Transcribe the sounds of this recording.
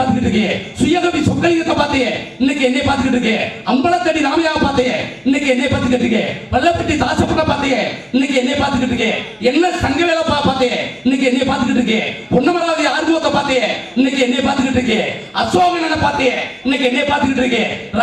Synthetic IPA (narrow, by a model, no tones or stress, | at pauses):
ɾt̪ɯkːɪʈːɾɯk̬ːẽsʊjːɐɣɐʋisɔkːɐlɪnɐt̪ːɐpaːɾt̪eŋɛɪnːɐk̬ːɯɛnːɛjepaːɾt̪ɯkːɪʈːɾɯkːẽːɐmbɐlɐt̪ːɐɽiɾaːmɐjaːɣɐpaːɾt̪ejɛ̃ɪnːɐkːɛnːɐjːpaːɾt̪ɯkːɪʈːɾɯkːḛ̃ːpɐlːɐpːɐʈːit̪aːsɐpːɐʈːɐpaːɾt̪eːŋɛ̃nːɐk̬ːɯɛnːɐjeːpaːɾt̪ɯkːɪʈːɾɯkːẽː | ɛnːɐsɐŋɡɐʋeːlɐpːaːpaːt̪eːjɛɪnːɐkːɯɛnːɐjepaːɾt̪ɯkːɪʈːɾɯkːẽːpɔnːɐmɐɾaːðɐjɐaːɾɯmɯʋɐt̪ːɐpaːɾt̪ejɛ̃ɪnːɐk̬ːɯɛnːɛeːpaːɾt̪ɯkːɪʈːɾɯk̬ːẽː | ɐsʋaːmenɐnːɐpaːɾt̪eŋɛ̃ɪnːɐkːɯɛnːɐjepaːɾt̪ɯkːɪʈːɾɯkːẽːɾ